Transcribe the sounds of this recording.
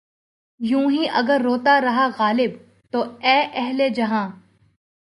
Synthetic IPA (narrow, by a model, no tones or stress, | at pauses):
jũːɦiʔɐɡəɾːoːt̪aɾɐɦaɣaːlɪb | t̪oːɛːʔɛɦled͡ʒɐɦãː